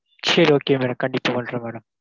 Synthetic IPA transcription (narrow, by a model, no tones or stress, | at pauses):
t͡ʃʰeːɾoːkːeːmenɐkɐɳɖɪpːɐʋɐɳɖrɐmɛːɽɐm